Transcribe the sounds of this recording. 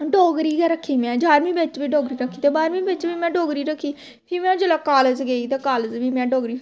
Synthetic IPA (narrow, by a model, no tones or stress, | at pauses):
ɖoːɡɾiːɡɛːɾəkʰːiːmɛ̃ːd͡ʒaːɾmĩːbet͡ʃbiːɖoːɡɾiːɾəkʰːiːt̪eːbaːɾmĩːbet͡ʃbiːmɛ̃ːɖoːɡɾiːɾəkʰːiː | pʰiːmɛ̃ːd͡ʒəlaːkaːləzɡeːit̪eːkaːlzʋiːmɛ̃ːɖoːɡɾiː